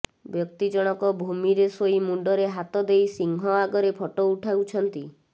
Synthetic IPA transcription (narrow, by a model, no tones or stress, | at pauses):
bjɔk̚t̪id͡ʒɔɽ̃ɔkɔbʱumiɾesoimuɳɖɔɾeɦat̪ɔd̪ejsiŋɦɔaɡɔɾepʰɔʈɔuʈʰawt͡ʃʰɔnt̪i